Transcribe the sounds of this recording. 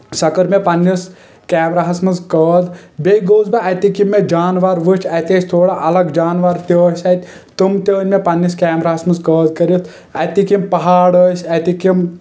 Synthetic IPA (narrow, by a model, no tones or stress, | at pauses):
sɐkəɾmepɐnːis | kaːmɾaɦɐsmɐnzkəːd̪bejɡoːzbɐʔɐt̪ikimːed͡ʒaːnʋaːɾʋɨt͡ʃʲʰɐt̪eːsʲt̪ʰoːɽaʔɐlɐɡd͡ʒaːnʋaːɾt̪əːsʲɐt̪ʲ | t̪ɨmt̪əːnʲmepɐnːiskʲaːmɾaːɦɐsmɐnzkəːd̪kɐɾit̪ʰ | ɐt̪ikimpɐɦaːɽəːsʲɐt̪ikim